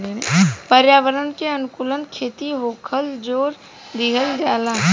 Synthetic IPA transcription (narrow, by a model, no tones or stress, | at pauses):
enpəɾjaːʋəɾənkeənʊkulənkʰeːt̪iɦoːkʰəld͡ʒoːɾ | d̪ɪɦəld͡ʒaːlaː